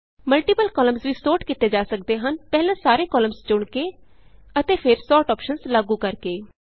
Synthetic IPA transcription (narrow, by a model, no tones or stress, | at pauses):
məlʈiːpəlkɔːləmzʋiːsoːʈkit̪eːd͡ʒaːsəkd̪eːɦənpɛːlãːsaːɾeːkɔːləmzt͡ʃʊɳkeː | ət̪eːpʰɪɾsɔːʈɔːpʃənzlaːɡuːkəɾkeː